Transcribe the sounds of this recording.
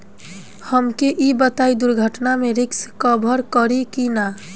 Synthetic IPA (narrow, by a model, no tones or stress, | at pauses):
həmkeʔibət̪aid̪uɾɡʱəʈnameɾɪkskəbʱəɾkəɾikina